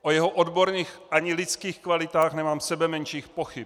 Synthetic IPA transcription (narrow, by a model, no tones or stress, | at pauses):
ʔojɛɦoʔod̪bo̞ɾɲiːxʔaɲɪlɪt͡skiːxkvalɪt̪aːxnɛmaːmsɛbɛmɛnʃiːxpoxɪp̚